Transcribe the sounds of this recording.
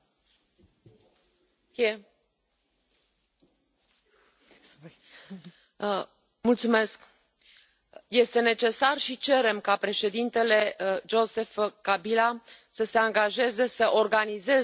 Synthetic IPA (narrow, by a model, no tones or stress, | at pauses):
e | mult̪sume̞sk | je̞st̪e̞ne̞t͡ʃe̞sarʃit͡ʃe̞ɾe̞mkapɾe̞ʃe̞d̪int̪e̞le̞d͡ʒo̞se̞fkabilasəse̞aŋɡaʒe̞ze̞səʔo̞rɡanize̞